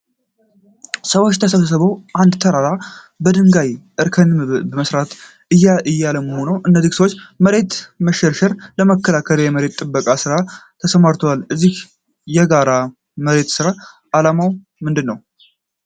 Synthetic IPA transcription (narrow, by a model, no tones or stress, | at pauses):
səwot͡ʃːt̪ʰəsəβəs̬əβəwʔand̪t̪ʰəɾaɾa | bəd̪ɨŋɡajʔɨɾkʰənbəməsɾat̪ | ɨjaɨjːaləməho̞nəwʔɨnːəzihsəwot͡ʃːməɾe̞t̪məʃɛɾʃɛɾləməkːəlakʰəljɛməɾe̞t̪ʼːɨbːəkʼasɨɾat̪ʰəsəmaɾt̪ʰwalɨzːih | jɛɡaɾa | məɾe̞t̪sɨɾa | ʔalamaw | mɨnd̪ɨnːəw